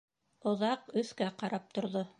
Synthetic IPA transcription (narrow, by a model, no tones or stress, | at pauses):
ŏðɑqɵ̆θkæqɑɾʔɑp̚t̪ŏɾðo